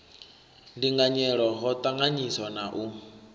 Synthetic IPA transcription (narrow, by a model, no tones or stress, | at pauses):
ndiŋɡaɲɛɺɔɦɔt̪ʼaŋɡaɲisɔnaʔu